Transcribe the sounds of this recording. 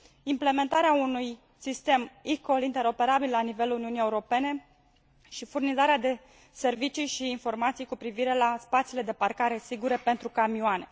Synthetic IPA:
imple̞me̞nt̪aɾeaunuj | sist̪e̞miko̞lint̪e̞ɾo̞pe̞ɾabillanive̞luniunije̞uɾo̞pe̞ne̞ | ʃifurnizaɾead̪e̞ | se̞rvit͡ʃijʃiːnfo̞rmat̪sijkupɾiviɾe̞laspat̪sile̞d̪e̞parkaɾe̞siɡuɾe̞pe̞nt̪ɾukamioane̞

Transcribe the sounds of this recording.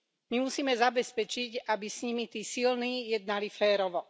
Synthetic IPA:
mimusiːmɛzabɛspɛt͡ʃiɟabisɲimit̪iːsilniːjɛd̪̚nalifɛːɾɔʋɔ

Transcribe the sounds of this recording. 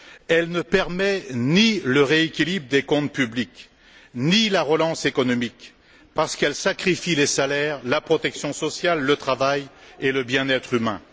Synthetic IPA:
ɛlnəpɛʁmɛniləʁeekʲilibʁd̪ekɔ̃t̪̚pyblik | nilaʁəlɑ̃sekɔnɔmik | paʁsə̥kɛlsakχifilesalɛʁlapχɔt̪ɛksjɔ̃sɔsjalːət̪χavajeləbjɛ̃nɛt̪χymɛ̰̃

